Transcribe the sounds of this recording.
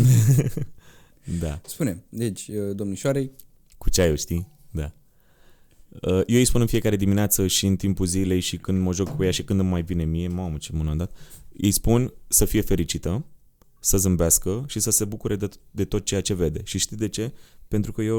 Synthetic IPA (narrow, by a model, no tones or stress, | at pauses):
d̪aspunemd̪et͡ʃʲəd̪omnuʃoaɾej | ku̥t͡ʃeajewʃt̪i | d̪a | əjeijspunɨnfije̞kaɾe̞d̪imineat̪səʃiɨnt̪impulzile̞jʃikɨnd̪məʒokkujaʃikɨnd̪ɨmːajvine̞mije̞mamət͡ʃemunand̪at̪ḭjspunsəfije̞fe̞ɾit͡ʃit̪ə | səzɨmbeaskəʃisəse̞bukuɾed̪d̪e̞t̪o̞t̪̚t͡ʃe̞jat͡ʃe̞ve̞d̪e̞ʃiʃt̪i̥d̪e̞t͡ʃe̞pent̪ɾukəje